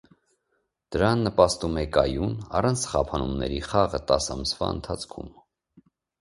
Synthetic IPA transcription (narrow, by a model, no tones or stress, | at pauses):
d̪̥əɾɑnːəpɑst̪umɛkɑjunɑrɑnt͡sʰχɑpʰɑnumnɛ̰ɾiχɑʁət̪ɑsɑmsvɑ̰ənt̪ʰɑt͡sʰkʰṵm